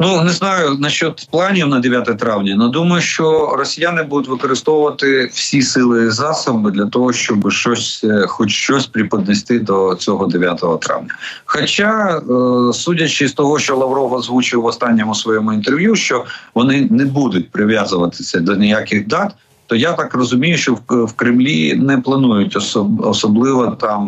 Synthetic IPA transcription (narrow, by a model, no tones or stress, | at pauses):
nunɛznɑjʊnɐʃt͡ʃɔd̪plˠɑnʲiwnɐd̪ejat̪ɛɛt̪ɾɑwnʲɐnɐd̪umɐjʊʃt͡ʃɔrɔsʲijanɪbud̪ʊtʲʋɪkɔɾɪst̪ɔwʊʋɐt̪ɪwsʲisɪlˠɪzɑsɐbbɪd̪lʲɐt̪ɔɦɔʃt͡ʃɔbɪʃt͡ʃɔsʲxɔt͡ʃʃt͡ʃɔsʲpɾʲipɐd̪nɛsʲt̪ɪd̪ɔt͡sʲɔɦɔd̪eʋʲjat̪ɔɦɔt̪ɾɑ̰wnʲɐxɔt͡ʃa | sutʲɐt͡ʃɪst̪ɔɦɔʃt͡ʃɔlˠɐʋɾɔʋɐzʋut͡ʃɪwɔst̪ɑnʲːɔmʊsʋɔjɔmʊint̪erʋjuʃt͡ʃɔʋɔnɪnɛbud̪ʊtʲpɾɪʋʲjazʊʋɐt̪ɪ̥sʲɐd̪ɔnʲɪjakʲɪɣd̪ɑt̪ | t̪ɔjat̪ɑkrɔzʊmʲijʊʃt͡ʃɔwkɾɪmlʲinɛplˠɐnujʊtʲɔsɔsɔblˠɪʋɔt̪ɑm